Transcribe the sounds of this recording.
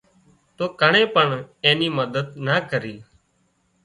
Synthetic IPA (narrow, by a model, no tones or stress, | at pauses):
t̪oːkəɳẽːpəɳẽːniːməd̪əd̪naːkəɾiː